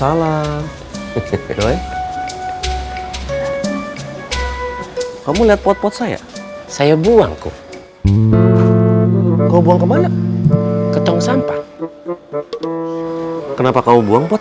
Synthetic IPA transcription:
ala | doj | kamuliɦat̪̚pɔt̪̚pɔt̪̚saja̰sajabua̰ŋkṵ | kaubuaŋkəmanak̚ | kət̪ɔŋsampa | kənapakamubuaŋpɔt̪

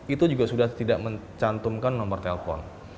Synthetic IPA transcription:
it̪ud͡ʒuɡasudaht̪idaʔməɲt͡ʃant̪umkanːɔmbərt̪ɛlpɔ̰n

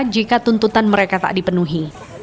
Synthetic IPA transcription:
d͡ʒikat̪unt̪ut̪anməɾekat̪a̰ʔdipənuɦi

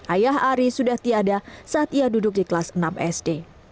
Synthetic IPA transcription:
ʔajaɦaɾisudaht̪iadasaːt̪iadudʊk̚diklasənamɛ̰sde

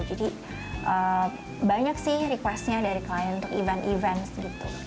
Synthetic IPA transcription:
d͡ʒadi | ʔə | baɲaksɪhɾikwɛst̪ɲadaɾikaajanunt̪ʊkivɛnt̪ivɛnsɡit̪u

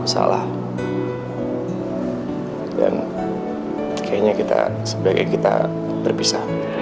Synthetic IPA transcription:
sa̰lah | dan | kʰajaɲakit̪a̰səbaɡajkit̪a | bərbisa

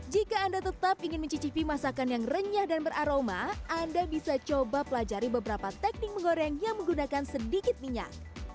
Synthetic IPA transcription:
d͡ʒikaːndat̪ət̪apiŋɪnməɲt͡ʃit͡ʃipimasakanjaŋrəɲahdanbəɾʔaɾomaʔandabisat͡ʃobapəlad͡ʒaɾibəbəɾapat̪ɛk̚nɪk̚məŋoɾɛŋjaŋməŋɡunakansədikɪt̪̚miɲa̰k̚

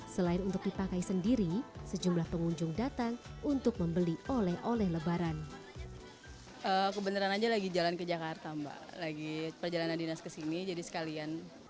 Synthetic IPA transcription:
səlaɪnunt̪ʊk̚dipakaisəndiɾisəd͡ʒumlahpəŋuɲd͡ʒʊŋdat̪aŋunt̪ʊk̚məmbəliolɛhʔolɛhləbaɾan | ʔəːkəbənəɾanad͡ʒalaɡid͡ʒalankəd͡ʒakart̪amba̰laɡipərd͡ʒalanandinaskəsinid͡ʒadisə̥kalian

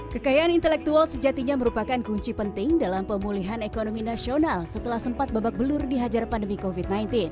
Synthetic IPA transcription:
kəkajaʔanint̪əlɛk̚t̪ualsəd͡ʒat̪iɲaməɾupakankuɲt͡ʃipənt̪ɪŋdalampəmuliɦanekonominasionalsət̪əlahsəmpat̪̚babak̚bəlʊrdiɦad͡ʒarpandəmikofit̪̚najnt̪in

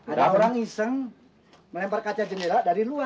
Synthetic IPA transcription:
adaoɾaŋisəŋ | məlɛmparkat͡ʃad͡ʒəneɾadaɾilua

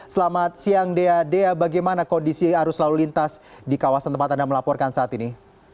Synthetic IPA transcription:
səlamat̪̚siaŋdeadeabaɡajmanakondisiɦaɾʊslalulint̪asdikawasant̪əmpat̪andaməlapɔrkansaaːt̪ini

